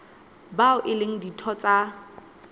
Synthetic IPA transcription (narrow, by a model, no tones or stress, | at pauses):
baʊʔɪleŋ̩ditʰɔt͡sʼa